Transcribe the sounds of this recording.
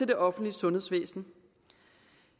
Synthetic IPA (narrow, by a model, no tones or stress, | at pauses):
e̝d̥e̝ʔɒ̽fn̩dliəsɔ̽nhe̝sʋḛːsn̩